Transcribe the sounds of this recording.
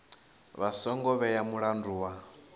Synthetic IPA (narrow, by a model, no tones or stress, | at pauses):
βasɔŋɡɔβɛjamuɺanduːwa